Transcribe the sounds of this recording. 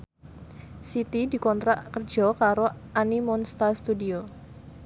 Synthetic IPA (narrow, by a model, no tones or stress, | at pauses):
sit̪idi̤kɔnt̪ɾaʔkərd͡ʒɔkaɾoʔanimɔnst̪ast̪udio